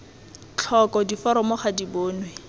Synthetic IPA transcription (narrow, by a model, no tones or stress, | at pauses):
t͡ɬʰɔkɔdifɔɾɔmɔχadiboːnwe